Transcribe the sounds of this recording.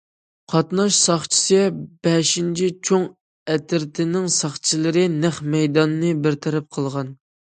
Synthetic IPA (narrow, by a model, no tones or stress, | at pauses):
qʰɑt̪nɑʃsɑχt͡ʃʰi̥sɨb̥ɛʃint͡ʃʰit͡ʃʰoŋ | ɛt̪ʰɪɾt̪ʰɪnɪŋsɑχt͡ʃʰilˠɨɾɪnæχmɛjd̪ɑnːɨbɪɾt̪ʰɛɾɛp̚qʰəlˠʁɑn